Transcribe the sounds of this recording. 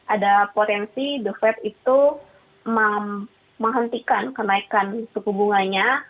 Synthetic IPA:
ʔadapot̪ɛnsidufɛt̪it̪u | mə | məŋɦənt̪ikankənaikansukubuŋanɲa

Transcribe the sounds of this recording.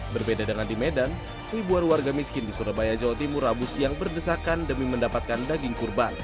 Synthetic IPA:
bərbedadəŋandimedan | fibuanwarɡamiskɪndisuɾabajad͡ʒawat̪imʊrabʊsjaŋbərdəsakandəmiməndapat̪̚kandaɡɪŋkurban

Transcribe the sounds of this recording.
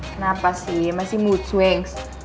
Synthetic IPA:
nabasijɛmasimutʰwɛŋs

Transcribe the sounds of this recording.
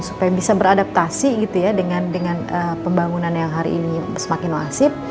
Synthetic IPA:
supajabisabəɾadap̚t̪asiɡit̪ujadəŋandəŋanəpəmbaŋunanjaŋɦaɾḭːnisəmakɪnla̰sɪp̪̚

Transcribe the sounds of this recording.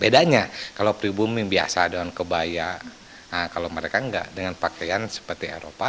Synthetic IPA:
bedaɲakalowpɾibumibia̰sadəŋankəbaja | əkalowməɾekaəŋɡa̰ʔdəŋanpakajansə̥pərt̪iḛɾo̰pa

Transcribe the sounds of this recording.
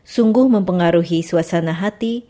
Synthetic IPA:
suŋɡʊhməmpəŋaɾuɦisuasanaɦat̪i

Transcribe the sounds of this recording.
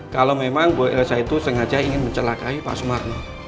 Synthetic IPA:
kalomemaŋboɛʔsait̪usəŋad͡ʒaiŋɪnməɲt͡ʃəlakaipa̰ʔsumarna

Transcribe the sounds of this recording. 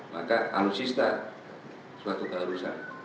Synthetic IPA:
makaa̰lusist̪a | suat̪uk̪aɾusa̰

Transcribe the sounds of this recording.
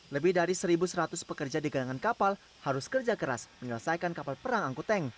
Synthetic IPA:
ləbɪhdaɾisəɾibusəɾat̪ʊspəkərd͡ʒadiɡadaŋankapal | haɾʊskərd͡ʒakəɾa̰sməɲələsajkankapalpəɾaŋaŋkut̪ɛŋ

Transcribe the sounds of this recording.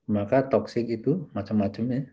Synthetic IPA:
makat̪ɔksɪk̚it̪umat͡ʃəmːat͡ʃəmja

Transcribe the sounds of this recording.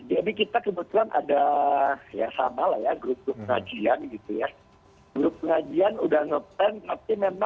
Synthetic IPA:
d͡ʒadikit̪akəbət̪uanʔa̰da | ja̰sa̰malahjaɡɾʊp̚ɡɾʊp̚pəŋa̰d͡ʒianɡit̪uja | ɡɾʊp̚pəŋad͡ʒianudahnɔt̪ɛnt̪apimema

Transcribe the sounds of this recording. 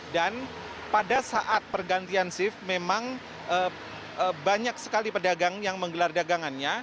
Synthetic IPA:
dan | padasaʔat̪̚pərɡant̪iansɪfmemaŋ | ʔə | baɲaksə̥kalipədaɡaŋjaŋməŋɡəlardaɡaŋanɲa

